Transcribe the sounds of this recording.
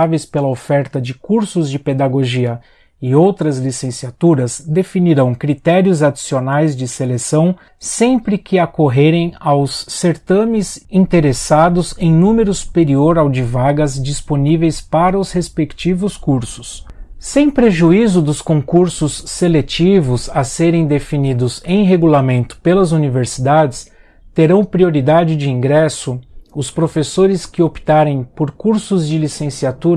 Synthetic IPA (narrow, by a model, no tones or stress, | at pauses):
avejspelɐofɛɾt̪ɐd͡ʒɪkuɾsʊzd͡ʒɪped̪aɡoʒiɐ | ɪowt̪ɾɐzlisẽsiat̪uɾɐzd̪efiniɾɐ̃w̃kɾit̪ɛɾiʊzad͡ʒisionajzd͡ʒɪselesɐ̃w̃ | sẽmpɾɪkʰɪakoɦeɾẽj̃awsːeɾt̪ɐ̃mɪzĩnt̪eɾesad̪ʊzẽj̃nũmeɾʊsu̥peɾioɾawd͡ʒɪvaɡɐzd͡ʒisponivejspaɾɐʊshespekt͡ʃivʊskuɾsʊ̥ssẽj̃pɾeʒuizʊd̪ʊskõkuɾsʊsːelet͡ʃivʊzɐseɾẽj̃d̪efinid̪ʊzẽj̃ɦeɡulamẽnt̪ʊ̥pelɐzuniveɾsid̪ad͡ʒɪs | t̪eɾɐ̃w̃pɾioɾid̪ad͡ʒɪd͡ʒiĩŋɡɾɛsʊʊspɾofesoɾɪskɪopi̥t̪aɾẽj̃poɾkuɾsʊzd͡ʒɪlisẽsiat̪uɾɐ